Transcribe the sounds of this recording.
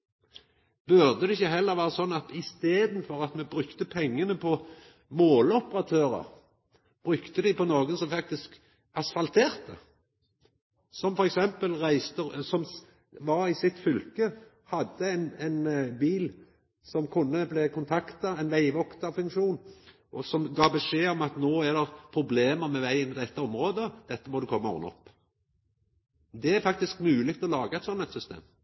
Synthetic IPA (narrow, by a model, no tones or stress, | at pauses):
b̥ʉʁd̪əd̪ɛɪçːəɦɛlːəʁʋæːʁɑsɔnːɑt̪ɪst̪eːd̪nfɔʁɑt̪mɛbʁʉkt̪əpʰɛŋːənəpʰɔ | moːlɔpəʁɑt̪ʰøːʁə̰ʁ | b̥ʁʉkt̪əd̪ɪpɔnoːɡənsɔmfɑk̚t̪ɪsk | ɑsfɑlt̪ʰeːʁt̪ə | sɔmfɔɾɛksɛmpəlʁæɪst̪əsɔm | ʋɑʁɪsɪt̪fʏlkə | hɑd̪ːəɛɪnɛɪnbiːl | sɔmkʰʊnːəblɛkʊnt̪ʰɑkt̪ɑɛɪnʋæɪʋɔkt̪ɑfʉŋkʃuːn | ʔɔsɔmɡɑːbɛʂeːɔmɑt̪noːæd̪ɛpʰɾʊbleːməɾmɛʋæɪənɪd̪ɛt̪ːəɔmɾoːd̪əd̪̥ɛt̪ːəmɔd̪ʉkʰɔmːəmɔ̰ʁnɔ̰pː | d̪ɛæɾfɑk̚t̪ɪskmʉːlɪk̚t̪ɔlɑːɡəɛɪt̪sɔnːɛt̪sʏst̪ḛːm